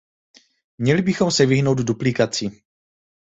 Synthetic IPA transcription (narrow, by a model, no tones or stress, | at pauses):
mɲɛlɪbɪxo̞msɛvɪɦno̞wdduplɪkat͡si